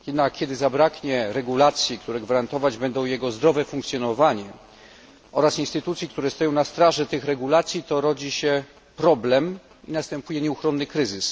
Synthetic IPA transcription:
jɛd̪nakʲːjɛd̪ɘzabɾakɲɛɾɛɡulat̪sʲjikt̪uɾɛɡvaɾant̪ɔvad͡ʑbɛnd̪ɔ̃w̃jɛɡɔzd̪ɾɔvɛfuŋkt̪sʲjɔnɔvaɲɛ | ʔɔɾasinst̪ɘt̪ut̪sʲjik̚t̪uɾɛst̪ɔjɔ̃w̃nast̪ɾaʐɛt̪ɘxɾɛɡulat̪sʲjit̪ɔɾɔd͡ʑiɕɛ | pɾɔblɛm | inast̪ɛmpujɛɲɛuxɾɔnːɘkɾɘzɘs

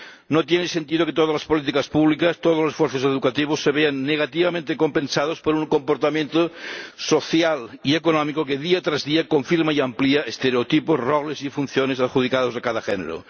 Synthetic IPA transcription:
not̪jenesent̪iðoket̪oðazlaspolit̪̬ikaspuβlikast̪oð̞olosesfweɾθoseðukat̪iβ̞osːeβeanːeɣ̞at̪iβamẽnt̪ekompẽnsað̞ospoɾuŋkompoɾt̪amjent̪osoθjaliekonomikokeðiat̪ɾazðiakoɱfiɾmaiampliaest̪eɾeot̪iposroɣlesifun̟θjonesaɾxuð̞ikað̞ozakaðaxḛnḛɾo̰

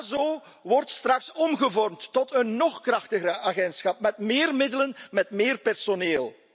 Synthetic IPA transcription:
zoː | ʋɔrtstrɑksɔmɣəvɔrmtːɔtənːɔχkrɑxtəɣəəʔaɣɛntsxɑp̚mɛtmɪːrmɪdələnmɛtmɪːrpɛrsoneːlˠ

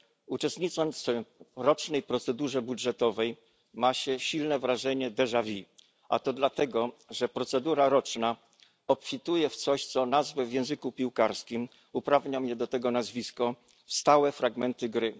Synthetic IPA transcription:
ut͡ʂɛst̪ɲit̪sɔmɾɔt͡ʂnɛjpɾɔt̪sɛd̪uʐɛbudʐɛt̪ɔvɛj | maɕɛɕilnɛvɾaʐɛɲɛd̪ɛʐavʲi | a̰t̪ɔd̪lat̪ɛɡɔʐɛpɾɔt̪sɛd̪uɾaɾɔt͡ʂna | ɔpfʲit̪ujɛft̪sɔɕt̪sɔnazvɛvʲjɛ̃w̃zɘkupʲiwkaɾskʲim | upɾavɲamjɛd̪ɔt̪ɛɡɔnazvʲiskɔ | st̪awɛfɾaɡmɛnt̪ɘɡɾɘ

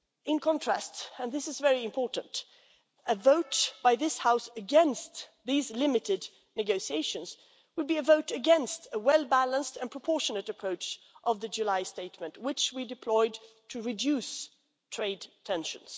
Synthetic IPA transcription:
ɪ̃nkʰɑ̃ntʰɹ̥æstɨ̃nðɪsɨzvɛɹiɨ̃mpʰɔɹʔn̩t | ɨvoʊtb̥aɪðɪshaʊsɨɡɛ̃nstðizlɪmɨɾɨd | nɨɡoʊsieɪʃɨ̃nz̥ | wɨl̚biɨvoʊɾɨɡɛ̃nstɨwɛlˠbælˠə̃nstɨ̃npɹ̥əpʰɔɹʃɨnɨɾɨpʰɹ̥oʊt͡ʃ | ʔʌvðɨd͡ʒʉlaɪsteɪtmɨ̃nt̚wɪt͡ʃwidɨpʰl̥ɔɪd | tʰɨɹɨdjʉs | tʰɹ̥eɪdtʰɛ̃nʃɨ̃nz̥

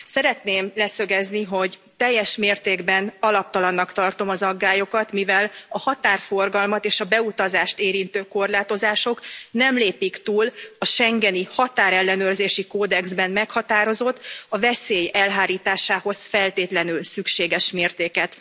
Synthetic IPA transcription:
sɛɾɛt̪neːmlɛsø̞ɡɛzniɦo̞ɟ | t̪ɛjːɛʃmeːrt̪eːɡbɛnɒlɒp̚t̪ɒlɒnːɒkt̪ɒrt̪o̞mɒzɒɡːaːjo̞kɒt̪mivɛlɒhɒt̪aːrfo̞rɡɒlmɒt̪eːʃɒbɛut̪ɒzaːʃt̪eːɾint̪øːko̞rlaːt̪o̞zaːʃo̞knɛmleːpikt̪uːlɒʃɛŋɡɛnihɒt̪aːɾɛlːɛnøːrzeːʃikoːd̪ɛɡzbɛnmɛkhɒt̪aːɾo̞zo̞t̪ːɒvɛseːjɛlɦaːɾiːt̪aːʃaːho̞sfɛlt̪eːt̪lɛnylsykʃeːɡɛʃmeːrt̪eːkɛt̪

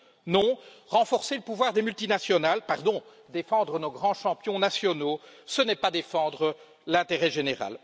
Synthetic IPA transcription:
nɔ̃ʁɑ̃fɔʁseləpuvwaʁd̪emylt̪inasjɔnalpaʁd̪ɔ̃ | d̪efɑ̃d̪ʁənoɡʁɑ̃ʃɑ̃pjɔ̃nasjɔnosənɛpad̪efɑ̃d̪ʁə | lɛ̃t̪eʁɛʒeneʁa̰l

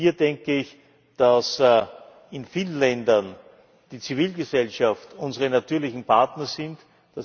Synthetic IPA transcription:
iːɐdɛŋkəɪç | d̥as | ɪnfiːlən̩lɛndɐn | d̥iːt͡siviːlɡəsɛlʃaftʊnzəʁənatyːɐlɪçn̩pʰaɐtnəsɪnt | d̥as

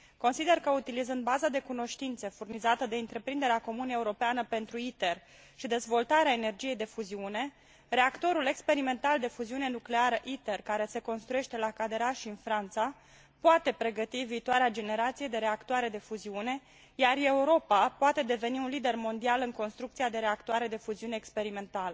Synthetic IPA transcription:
ko̞nsid̪e̞rkəut̪ilizɨnd̪̚bazad̪e̞kuno̞ʃt̪int̪se̞furnizat̪əd̪e̞ɨnt̪ɾe̞pɾind̪e̞ɾeako̞munəeuɾo̞peanəpe̞nt̪ɾuit̪e̞r | ʃid̪e̞zvo̞lt̪aɾeaene̞rd͡ʒije̞jd̪e̞fuziune̞ | ɾe̞akt̪o̞ɾule̞kspe̞ɾime̞nt̪ald̪e̞fuziune̞nukle̞aɾəʔit̪e̞rkaɾe̞se̞ko̞nst̪ɾuje̞ʃt̪e̞lakad̪e̞ɾaʃiɨnfɾant̪sa | poat̪e̞pɾe̞ɡət̪iviːt̪owaɾead͡ʒe̞ne̞ɾat̪sije̞d̪e̞ɾe̞akt̪oaɾe̞d̪e̞fuziune̞ | jare̞uɾo̞papoat̪e̞d̪e̞ve̞niunlid̪e̞rmo̞nd̪ialɨŋko̞nst̪ɾukt̪sijad̪e̞ɾe̞akt̪uaɾe̞d̪e̞fuziuneːkspe̞ɾime̞nt̪alə

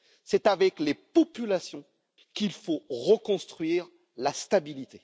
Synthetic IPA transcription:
sɛt̪avɛklepɔpylasjɔ̃ | kʲilfoʁəkɔ̃st̪χɥiʁ | last̪abilit̪e

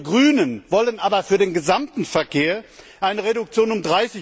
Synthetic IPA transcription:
ɡʁyːnənvɔlənʔaːbɐfyːɐdeːnɡəzamtn̩fɛɐkʰeːɐ | ʔaɪnəʁedʊk̚t͡sjoːnʊmdʁaɪsɪ

